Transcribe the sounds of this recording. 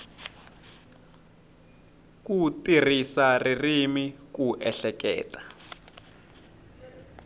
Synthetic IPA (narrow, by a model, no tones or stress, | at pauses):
k̬utirisaririmikuʔɛɬɛk̬ɛ̰ːtʼḁ